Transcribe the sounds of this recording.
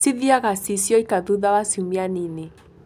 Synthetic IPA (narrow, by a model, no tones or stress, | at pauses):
siðiaɣasisjɔikaðuðaβasiumianine